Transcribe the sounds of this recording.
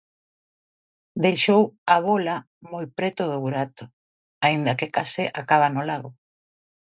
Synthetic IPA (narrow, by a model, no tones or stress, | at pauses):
d̪ejʃowaβola | mojpɾɛt̪ʊðoβuɾat̪ʊ̥ | aind̪ɐkekaseʔakaβanʊlaɣo